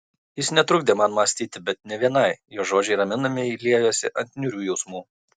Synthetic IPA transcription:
jɪsnʲɛt̪ɾʊɡd̪ʲeːmɐnmɐsʲt̪ʲiːt̪ʲɪbʲɛt̪̚nʲɛʋʲiɛnɐɪjoːʒoːd͡ʒʲɛɪɾɐmʲɪnɐmʲɪiːlʲiɛjoːsʲɪʔɐnʲt̪ʲnʲʊɾʲuːjɛʊsmuː

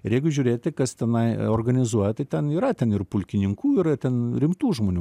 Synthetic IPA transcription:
ɪɾjɛɪɡʊʒʲuːɾʲeːt̪ʲt̪ʲɪkɐst̪ʲɛnɐɪorɡɐnʲɪzuɔjɛt̪ɐɪt̪ʲɛniːɾɐt̪ʲɛnɪrpʊlʲkʲɪnʲɪŋkuːɪɾt̪ʲɛnɾʲɪmt̪uːʒmoːnʲuː

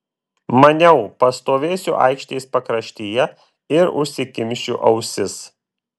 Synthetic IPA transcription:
mɐnʲɛʊpɐst̪oːʋʲeːsʲṵʔɑ̰ɪkʃʲt̪ʲɛɪspɐkɾɐʃʲt̪ʲeːjɛ | ɪɾʊ̰ʃʲsʲɪkʲɪmʲʃʲt͡ʃʲṵʔɐʊsʲɪs

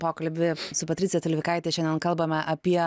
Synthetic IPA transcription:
poːkɐlʲbʲɪsʊpɐtʲɾʲɪtt͡sʲjɛt̪ɐlʲʋʲɪkɐɪt̪ʲeʃʲɛnʲd̪ʲɛnkɐlˠbɐmʲɛʔɐpʲiɛ

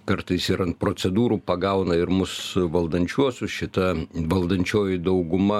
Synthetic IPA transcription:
kɐɾt̪ɐɪsiɾɐnt̪̚pɾoːt͡ssʲɛd̪uːɾuːpɐɡɐʊnɐɪɾmʊsʋɐlˠd̪ɐnʲt͡ʃʲuɔsʲʊʃʲɪt̪ɐʋɐlˠd̪ɐnʲt͡ʃʲoːjɪd̪ɐʊɡʊmɐ

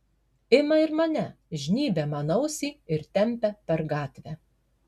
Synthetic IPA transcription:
ɪmɐɪɾmɐnʲɛ | ʒʲnʲiːbʲɛmɐnɐʊsʲiːɪɾt̪ʲɛmʲpʲɛpʲɛɾɡɑːt̪ʲʋʲæ

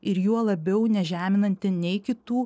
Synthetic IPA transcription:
ɪɾjuɔlˠɐbʲɛʊnʲɛʒʲæːmʲɪnɐnʲt̪ʲɪnʲɛɪkʲɪt̪uː

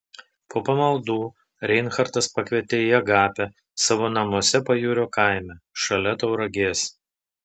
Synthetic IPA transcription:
pʰoːpɐmɐlˠd̪uː | ɾʲɛɪnxɐɾt̪ɐspɐkʋʲiɛt̪ʲejɛɡɑːpʲɛ | sɑːʋoːnɐmoɔsʲɛpɐjuːɾʲoːkɐˑɪmʲɛʃɐlʲɛt̪ɐʊɾɐɡʲeːs

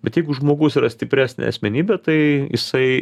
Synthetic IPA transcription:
b̥ʲɛt̪jɛɪɡʊʒmoːɡʊsiːɾɐsʲt̪ʲɪpʲɾʲæːsʲnʲḛɐsʲmʲɛnʲiːbʲɛt̪ɐɪjɪsɐɪ

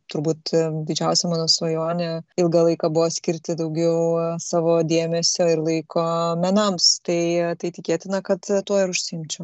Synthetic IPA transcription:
t̪ʊɾbuːt̪d̪ʲɪd͡ʒʲɛʊsʲɛmɑːnoːsʋɐjoːnʲɛɪlˠɡɐlˠɐɪkɑbʊʋoːsʲkʲɪɾʲt̪ʲɪd̪ɐʊɡʲɛʊsɑːʋoːd̪ʲeːmʲɛsʲoːɪɾlˠɐɪkoːmʲɛnɐmst̪ɐɪt̪ɐɪt̪ʲɪkʲeːt̪ʲɪnɐkɐt̪t̪ːuɔɪɾʊʃʲsʲɪɪmʲt͡ʃʲɛʊ

